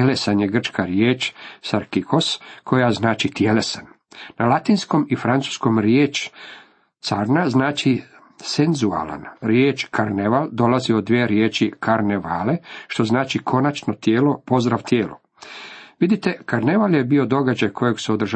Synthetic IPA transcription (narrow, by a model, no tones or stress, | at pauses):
elesanjeɡr̩t͡ʃkaɾjeːt͡ʃsaɾkiko̞skʰo̞jaznaːt͡ʃit̪jelesanː | alˠat̪insko̞mifɾansu̥sko̞mɾjeːt͡ʃ | t̪saɾnaznaːt͡ʃi | senzua̰la̰nɾjeːt͡ʃkʰaɾneʋald̪o̞laziod̪ʋjeːɾjeːt͡ʃikʰaɾneʋaːleʃt̪o̞znaːt͡ʃikʰo̞nat͡ʃno̞t̪jeːlo̞po̞zd̪ɾaʋt̪jeːlo̰ | ʋid̪it̪e̞kaɾne̞ʋaljebiod̪o̞ɡad͡ʑajkʰo̞joɡseod̪rʒ